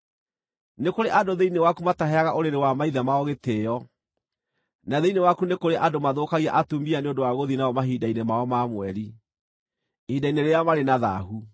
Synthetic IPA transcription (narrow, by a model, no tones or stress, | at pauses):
nekoɾeʔadoðeinewakumataɦɛaɣaʔoɾeɾewamaiðɛmaɔɣetejɔ | naðeinewakunekoɾeʔadomaðokaɣia̰ʔatumianeondowaɣoðinaɔmaɦidainemaɔmaːmwɛɾi | hiːdaineɾeamaɾenaða̰ɦu